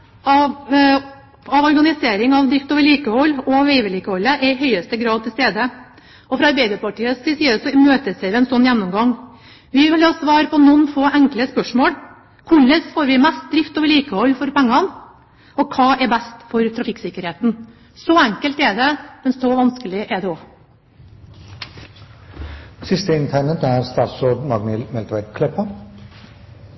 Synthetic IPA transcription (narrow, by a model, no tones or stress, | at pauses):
ɑ | ɑʋɔɾɡɑnɪseːɾɪŋɑʋd̪ɾɪft̪oːʋəɭiːkəhɔlːɔʋɛɪʋɛliːkəhɔlːəʔɛɾɪɦœʏəst̪əɡɾɑːd̪̚t̪ʰɪlst̪eːd̪ə | ɔfɾɑɑɾbæɪd̪əɾpʰɑʈiːəsɪsiːəsɔmøːt̪əsʋɛɪʋɪɛnsɔnːjænːɔmɡɑŋ | ʋɪʋɪlhɑːsʋɑːɾpʰɔnɔnːfoːʔæŋkləspœʂmoːl | kʰʊɭəsfoːɾʋɪmæst̪̚d̪ɾɪft̪ɔʋɪliːkəhɔɾfɔɾpæŋːɑn | ɔkʰɑːʔɛbæst̪fɔɾt̪ʰɾɑfɪksɪkːəɾheːt̪n | sɔæŋkəlt̪ɛd̪ɛmɛnsɔʋɑnskəlɪʔɛd̪ɛoː | sɪst̪əɪnt̪ʰɛnət̪æɾst̪ɑːt̪sɔd̪mɑɡmɪlmɛlt̪ʋækʰlɛpːə